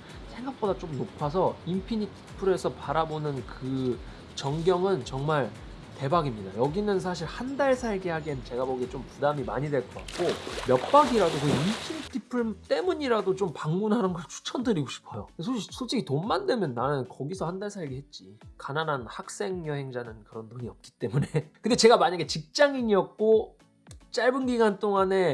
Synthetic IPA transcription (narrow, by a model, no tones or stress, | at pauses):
sʰe̞ŋɡak̚p͈odat͡ɕ͈omnopʰasʰʌimpʰiɲitʰi̥pʰɯɾe̞sʰʌpaɾabonɯnkɯ | t͡ɕʌŋɡjʌŋɯnt͡ɕʌŋmaɭ | te̞baɡimɲida̰jʌɡinɯnsʰaɕ̬ʰiɭhandaɭsʰaɭɡihaɡint͡ɕe̞ɡaboɡit͡ɕompudamima̰ɲidwe̞ɭk͈ʰʌk͈a̰tk̚k͈omjʌk̚p͈aɡiɾadokɯiimpʰiɲitʰipʰɯɭt͈e̞muɲiɾadot͡ɕompaŋmunɦanɯnɡʌɭt͡ɕʰu̥t͡ɕʰʌndɯɾiɡoɕʰi̥pʰʌjosʰosʰot͡ɕ͈ʰikʰitomːandwe̞mjʌnːanɯnkʌɡisʰʌhandaɭsʰaɭɡiɦe̞t̚t͡ɕ͈ikananɦanhak̚s͈e̞ŋjʌɦe̞ŋd͡ʑanɯnkɯɾʌntoŋiʌp̚k͈i̥t͈e̞mune̞kɯndet͡ɕe̞ɡamaɲaɡe̞t͡ɕik̚t͡ɕ͈aŋiɲiʌk̚k͈o | t͡ɕ͈aɭbɯnɡiɡant͈oŋane̞